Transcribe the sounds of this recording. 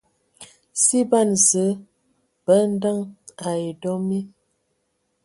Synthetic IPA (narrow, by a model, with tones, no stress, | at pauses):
si˦ba˦˨nzə˨˦ | b̥ə˨˦n̩˦də˦ŋa˨e˨dɔ˦mi˦